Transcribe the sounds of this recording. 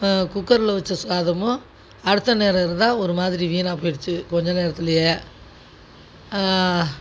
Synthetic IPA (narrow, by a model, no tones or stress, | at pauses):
kʊkːɐɾɪlɐʋɐt͡ʃːɐsʊaːðɐmʊ̃ | ɐɽɯt̪ːɐneːɾɐɾt̪ãːɔɾɯmaːðɪɾiʋiːnaːpoːjɪɽɯt͡ʃːɯkɔɲd͡ʒɐ̃neːɾɐt̪ːɪlɪje